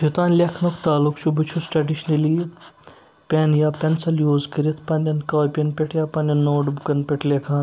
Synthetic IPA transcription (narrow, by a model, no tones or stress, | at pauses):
d͡ʒit̪aːnlʲekʰnokʰt̪aːlukʰt͡ʃʰubɨt͡ʃʰusʈɾɐɖiʃnɐliː | pʲenjaːpʲɐnsɐljuːzkiɾit̪ʰpɐnʲɐnkaːjpʲɐnpʲeʈʰjaːpɐnʲɐnːoːɖbukɐnpʲɛʈʰlʲekʰãːn